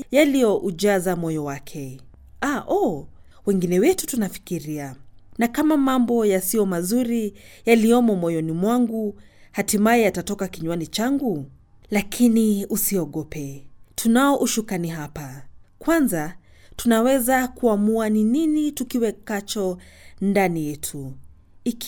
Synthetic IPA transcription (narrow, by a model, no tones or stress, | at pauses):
jalijɔʔud͡ʒazamɔjɔwakʰɛ | aʔɔ | wɛŋɡinɛwɛtutunafi̥kiɾianakamamambɔjasijɔmazuɾijaliɔmɔmɔjɔnimwaŋɡu | hatimajɛatatɔkakiɲwanit͡ʃaŋɡu | lakʰiniusiɔɠɔpɛtʰunaɔʔuʃukaniɦapakwanza | tunawɛzakuamuanininitukiwɛkat͡ʃɔndanijɛtʰu | i